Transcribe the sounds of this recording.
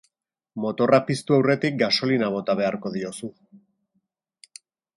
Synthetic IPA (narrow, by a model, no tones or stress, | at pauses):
mo̞t̪o̞rapist̪uawre̞t̪ik̚ɡaso̞linaβ̞o̞t̪aβ̞e̞aɾko̞ðio̞su